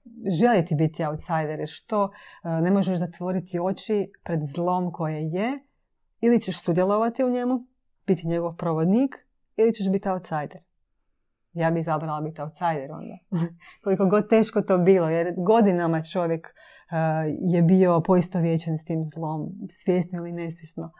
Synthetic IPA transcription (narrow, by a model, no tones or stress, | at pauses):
ʒelit̪ibit̪iawt̪sajd̪eɾjeɾʃt̪o̞ne̞mo̞ʒeʃzat̪ʋo̞ɾit̪io̞t͡ɕipɾe̞d̪zlˠo̞ːmko̞jeje | ilit͡ɕeʃsud̪jelˠo̞ʋat̪iuɲe̞mu | b̥it̪iɲeɡoʋpɾoʋod̪niːk | ilit͡ʃeʃbit̪iaut̪sajd̪eɾ | jaːbizabɾalˠabit̪awt̪sajd̪eɾo̰nd̪akolikoɡo̞d̪̚t̪e̞ːʃkot̪oːbiːlˠojeɾɡo̞d̪inamat͡ʃo̞ʋjek | jebio̞poist̪oʋjet͡ɕenst̪iːmzlˠoːmsʋjesnoiline̞sʋjesno